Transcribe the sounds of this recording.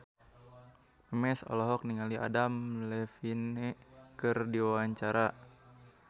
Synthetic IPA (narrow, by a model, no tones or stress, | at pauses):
ɛmɛsɔ̰lɔɦɔk̚niŋaliʔa̰damlɛfinɛkɨrdiwawaɲt͡ʃaɾa